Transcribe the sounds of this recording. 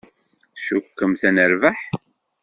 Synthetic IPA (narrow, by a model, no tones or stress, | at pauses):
θʃukːəmθænəɾvəħ